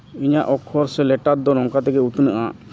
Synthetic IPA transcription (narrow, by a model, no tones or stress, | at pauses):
iɲaʔɔkʰːɔɾsɛlɛʈat̪̚d̪ɔɾɔŋkat̪ɛkɛut̪nəʔa